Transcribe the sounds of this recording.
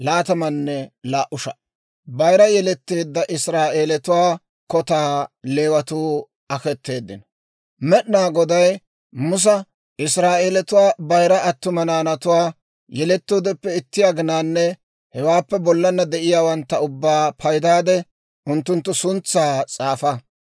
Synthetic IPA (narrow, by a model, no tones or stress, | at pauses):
laːt̪ɐmɐnːɛlaːʔʊʃɐ | bɐjɾɐjɛlɛt̪ːeːd̪ːɐʔɪsɾaːʔeːlɛt̪ʊwaː | kɔt̪aːle̞ːwɐt̪uː | ɐkɛt̪ːe̞ːd̪ːɪ̰n | mɛɗnaːɡɔd̪ɐj | mʊs̬ɐ | ʔɪsɾaːʔeːlɛt̪ʊwaːbɐjɾɐɐt̪ːʊmɐnaːnɐt̪ʊwaː | jɛlɛt̪ːoːd̪ɛpːɛɪt̪ːɪjaːɡɪnaːnːɛ | hɛwaːpːɛbɔlːɐnːɐd̪ɛʔɪjaːwɐnt̪ːɐʊbːaːpʰɐjd̪aːd̪ɛ | ʔʊnt̪ːʊnt̪ːʊsʊnt͡sːaːt͡sʼaːfɐ